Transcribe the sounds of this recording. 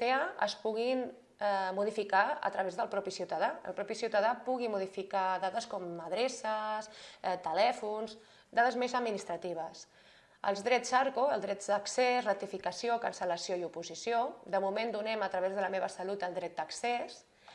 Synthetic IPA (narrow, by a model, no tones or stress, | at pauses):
t̪eəə̰spuɣin | ɛmuð̞ifikaə̰t̪ɾəβezðəlˠpɾɔpisiwt̪əðaə̰lˠpɾɔpisiwt̪əðapuɣimuðifikaðaðəskɔməðɾesəsɛt̪əlɛfunz | d̪aðəzmezəd̪minist̪ɾət̪iβ̞əs | ə̰lˠzd̪ɾɛd͡zaɾkoəlˠd̪ɾɛd͡zd̪əksezrət̪ifikəsiokənsələsioiupuzisiod̪əmumend̪unɛmət̪ɾəβ̞ezð̞ələmeβəsəlut̪əlˠd̪ɾɛt̪̚d̪əkses